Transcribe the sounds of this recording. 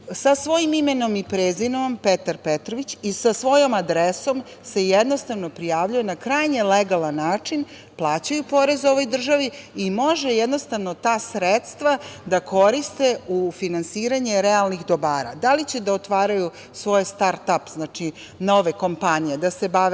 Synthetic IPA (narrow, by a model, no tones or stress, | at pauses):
sasʋo̞jimimeno̞mipɾeːzinompet̪aɾpet̪ɾoʋit͡ɕisasʋo̞jo̞mad̪ɾeso̞m | se̞jed̪no̞st̪aʋno̞pɾijaːʋʎujenakɾajɲeleɡalˠanːaːt͡ʂin | plˠaːt͡ɕajupo̞ɾe̞zo̞ʋo̞jd̪r̩ʒaʋi | imo̞ʒejed̪no̞st̪aʋno̞t̪aːsɾet̪st̪ʋad̪ako̞ɾist̪e̞ufinansiːɾaɲe̞ɾealnixd̪o̞baːɾa̰d̪alit͡ɕed̪aot̪ʋaːɾaju | sʋo̞jst̪aɾt̪apznaːt͡ʃi | no̞ʋeko̞mpaɲijed̪asebaʋe